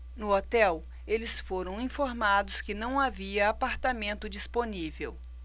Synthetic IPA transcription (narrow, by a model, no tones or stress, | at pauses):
nʊot̪ɛw | elɪsfoɾɐ̃w̃ĩfoɾmad̪ʊskɪnɐ̃w̃aviɐapaɾt̪amẽnt̪ʊd͡ʒisponivew